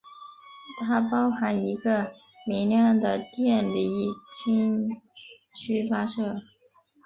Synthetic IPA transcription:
t̪ʰa˥pɑ˥ʊxa˧˥ni˧˥ɡə˧ | mi˧˥ŋljɑ˥˩ŋd̪ə˩t̪jɛ˥˩nli˧˥t͡ɕʰi˥ŋ | t͡ɕʰy˥fa˥ʂɤ˥˩

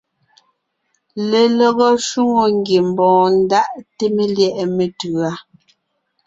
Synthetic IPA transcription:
le˨lɔ˦˨ɣɔ˦ʃu˦ŋo˨ŋ˦ɡje˨m̩˨bɔ̃ː˨n̩˦da˦ʔte˦me˦ljɛ˦ʔɛ˨me˨tʉ˨a˦

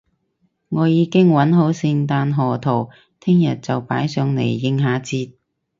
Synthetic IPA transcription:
ŋɔː˨˧jiː˨˧kɪ˥ŋwɐ˨˥nɦo˨˥wsɪ˧ŋt̪aː˧nɦɔː˨˩t̪ʰo˨˩w | t̪ʰɪ˥ŋjɐ˨t̚t͡sɐ˨wpaː˨˥jsœː˨˧ŋnḛ˨˩jːɪ˧ŋɦaː˨˧˥t͡siː˧t̚

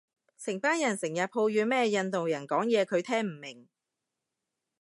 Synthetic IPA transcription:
sɪ˨˩ŋpaː˥njɐ˨˩nsɪ˨˩ŋjɐ˨t̚pʰo˧wjyː˨˧mɛː˥jɐ˧nt̪o˨wjɐ˨˩nkɔː˨˥ŋjɛː˨˧kʰɵ˨˧ɥt̪ʰɛː˥ŋm̩˨˩mɪ˨˩ŋ

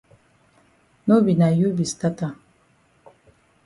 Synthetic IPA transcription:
no˦bi˨na˨ju˦bi˨sta˦ta˨

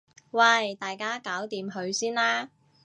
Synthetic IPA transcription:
wɐ˧˨˩jt̪aː˨jkaː˥kaː˨˥wt̪iː˨mɦɵ˨˧ɥsiː˥nlaː˥

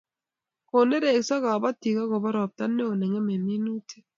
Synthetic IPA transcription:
ko˨ne˦ɾe˨ksa˦ɡa˨ba˦ti˨ka˦ɡo˨ba˦ɾɔ˨b̚t̪a˦nːe˦o˨nɛ˨ŋe˦me˨mi˦nu˦tʰi̥˦

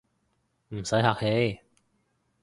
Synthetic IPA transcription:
m̩˨˩sɐ˨˥jɦaː˧k̚he˨˥j

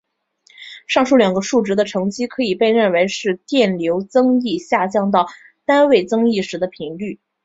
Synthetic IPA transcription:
ʂɑ˥˧ŋʂu˥˩ljɑ˨˩ŋɡə˧˦ʂu˥˩ʈ͡ʂɻ̩˧˥d̪ə˧ʈ͡ʂʰɤ˧˥ŋt͡ɕi˥kʰɤ˧˥i˨˩pe˥˧ɪɻə˥˩nwe˧˥ɪʂɻ̩˥˧t̪jɛ˥˩nljo˧˥ʊt͡sɤ˥ŋi˥˧ɕja˥˧t͡ɕjɑ˥˧ŋt̪ɑ˥˩ʊ | t̪a˥nwe˥˩ɪt͡sɤ˥ŋi˥˩ʂɻ̩˧˥d̪ə˧pʰi˧˥ŋly˥˩

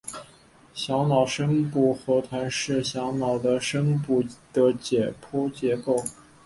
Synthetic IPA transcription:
ɕjɑ˧˥ŋnɑ˨˩ʊʂə˥ŋpu˥˩xɤ˧˥t̪ʰwa˧˥nʂɻ̩˥˩ɕjɑ˧˥ŋnɑ˨˩ʊd̪ə˦ʂə˥ŋpu˥˩d̪̥ə˦t͡ɕjɛ˨˩pʰwɔ˥t͡ɕjɛ˧˥ko˥˩ʊ

